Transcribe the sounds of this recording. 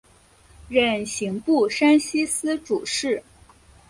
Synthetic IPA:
ɻə˥˩nɕi˧˥ŋpu˥˩ʂa˥nɕi˥sɹ̩˥ʈ͡ʂu˨˩ʂɻ̩˥˩

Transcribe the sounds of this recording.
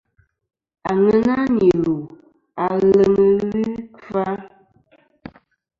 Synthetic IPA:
a˨ŋə˦na˦ɲi˨lu˨ | a˨lə˨ŋə˨li˦ka˦

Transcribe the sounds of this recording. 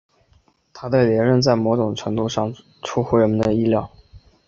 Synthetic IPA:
t̪ʰa˥d̪ə˧ljɛ˧˥nɻə˥˧nt͡sa˥˩ɪmɔ˧˥ʈ͡ʂʊ˨˩ŋʈ͡ʂʰɤ˧˥ŋt̪u˥˧ʂɑ˥˩ŋ | ʈ͡ʂʰu˥xwu˧˥ɻə˧˥mə˧nd̪ə˧i˥ljɑ˥˩ʊ

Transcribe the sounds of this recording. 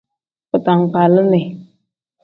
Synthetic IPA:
pə˨ta˨ŋ˨k͡pa˨lə˦ne˨

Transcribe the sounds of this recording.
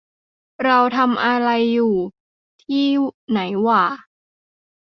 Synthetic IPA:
ɾa˧wt̪ʰa˧mʔa˧ɾa˧jːuː˨˩ | t̪ʰiː˥˩na˩˦jwaː˨˩

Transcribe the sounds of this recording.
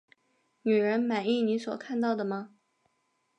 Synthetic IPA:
ny˨˩ɻə˧˥nma˨˩ni˥˩ni˧˥swɔ˨˩kʰa˥˧nt̪̬ɑ˥˩ʊd̪ə˩mɐ˩

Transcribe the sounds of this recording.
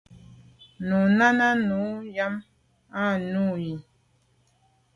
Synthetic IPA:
nu˨na˦na˦nu˨˦ja˦m | a˦˨nu˦˨ji˨

